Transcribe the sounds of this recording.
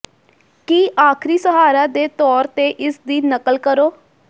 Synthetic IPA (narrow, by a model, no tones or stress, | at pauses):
kiːʔaːkʰɾiːsəɦaːɾaːd̪eːt̪ɔːɾt̪eːʔɪsd̪iːnəkəlkəɾoː